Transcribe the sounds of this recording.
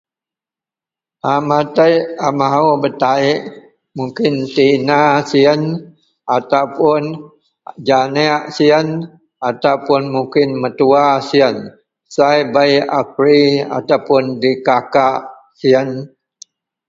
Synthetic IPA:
amat̪əjamaɦubət̪aɪʔ | muŋkɪnt̪inasiən | at̪awpʊn | d͡ʒaniaʔsiən | at̪awpʊnmukɪnmət̪uasiən | sajbajap̚ɾia̰t̪awpʊndikakaʔ | siən

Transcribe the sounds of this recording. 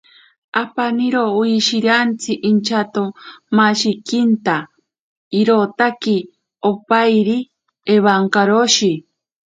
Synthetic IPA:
apaniɾouiʃiɾant͡sʰiʔint͡ʃʰat̪omaʃikint̪a | iɾot̪aki | opajɾi | eβaŋkaɾoʃi

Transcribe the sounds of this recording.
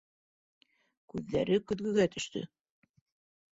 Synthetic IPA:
kʉðːæ̰ɾɘkɵ̆ðɡɵ̆ɡæt̪ɵ̆ʃt̪ɵ̰

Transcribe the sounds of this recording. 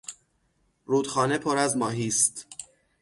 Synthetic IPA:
ɾuːd̪̥xɒːne̞pʰoɾæzmɒːɦiːst̪

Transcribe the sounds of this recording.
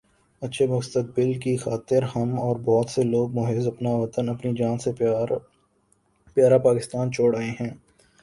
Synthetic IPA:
ɐtːʃʰemʊst̪ək̚bɪlkixaːt̪ɪɾɦɐmɔːɾbɔːt̪seloːɡ̚mʊɦeːzɐpnaʋɐt̪ənɐpnid͡ʒaːnse | pjaːɾapaːkɪst̪aːnt͡ʃʰoːɽɐeɦɛ̃ː

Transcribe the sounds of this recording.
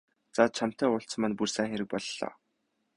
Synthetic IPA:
t͡sat͡ɕʰam̥t̪æːʊɬt͡sə̆mănpursæːxʲeɾɘ̆k̚pɔɮːɔ̰ː

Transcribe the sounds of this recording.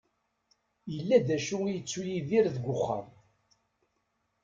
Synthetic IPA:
jəlːæðæʃuwijət͡sːujiðiɾðəɡʷʊχːa̰m

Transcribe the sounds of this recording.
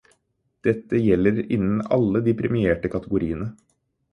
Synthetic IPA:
d̪̥ɛt̪ːəjɛlːəɾɪ̰nːn̩ɑ̰lːəd̪ɪpɾɪmɪeːʈəkʰɑt̪əɡʊɾiːənə

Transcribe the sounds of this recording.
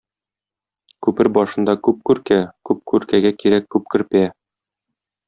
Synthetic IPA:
kʉpɘɾbɒʃɤ̆nd̪ɑkʉp̚kʉɾkækʉp̚kʉɾkæɡækiɾækːʉp̚kɵ̆ɾpæ

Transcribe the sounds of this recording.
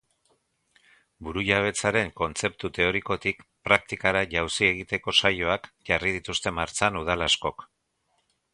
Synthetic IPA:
buɾuʎaβ̞e̞t͡saɾe̞ŋko̞nt͡se̞p̚t̪ut̪e̞o̞ɾiko̞t̪ikpɾak̚t̪ikaɾaʝawsie̞ɣ̞it̪e̞ko̞sajo̞akʝarið̞it̪ust̪e̞maɾt͡sanuð̞alasko̞k

